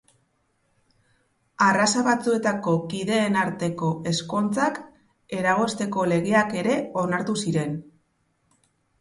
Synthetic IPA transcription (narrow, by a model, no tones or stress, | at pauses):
arasaβat͡sue̞t̪ako̞kiðe̞ːnaɾt̪e̞ko̞e̞sko̞nt͡sak | e̞ɾaɣ̞o̞st̪e̞ko̞le̞ɣeake̞ɾe̞o̞naɾt̪usiɾe̞n